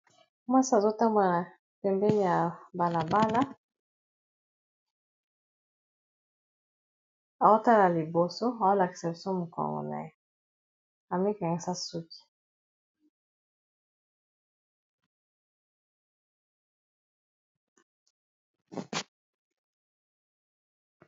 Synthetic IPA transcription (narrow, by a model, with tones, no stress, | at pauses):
mwa˦si˦a˨zo˦ta˦ma˨na˨ | pɛ˨mbɛ˦ni˦ja˨ba˨la˨ba˦la˦ | a˨o˦ta˦la˨li˨bo˨so˦a˨o˦la˨ki˨sa˨bi˨so˦mu˨kɔ̰˨ŋɡɔ̰˨na̰˨je˦ | a˨me˦ka˨ŋɡɛ˨sa˦su˦ki̥˨